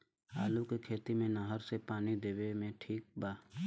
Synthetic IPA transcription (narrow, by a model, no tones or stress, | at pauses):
aːlukekʰeːt̪imẽnəɦəɾsepaːnid̪eːwemẽʈʰiːk̚baː